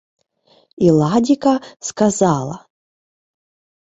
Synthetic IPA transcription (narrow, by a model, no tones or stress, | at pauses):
ilˠadʲikaskazalˠɐ̰